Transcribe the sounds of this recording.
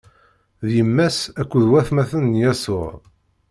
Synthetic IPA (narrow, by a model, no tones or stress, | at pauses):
ðjəmːæsækʷːuðwæθmæθənːjæsʊ̰ʁ